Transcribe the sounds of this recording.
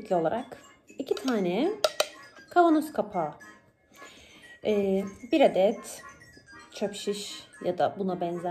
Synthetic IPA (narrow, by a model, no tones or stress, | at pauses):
clʲio̞lˠaɾak | icʰit̪ʰaːnɛ | kʰavanoskʰapʰa | ɛːbiɾad̪ɛt̪ | t͡ʃʰøpʃiʃjad̪a̰bunabɛnzæ